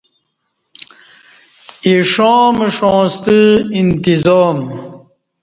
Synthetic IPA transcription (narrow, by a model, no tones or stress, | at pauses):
iʂõːmeʂõːst̪əint̪izoːm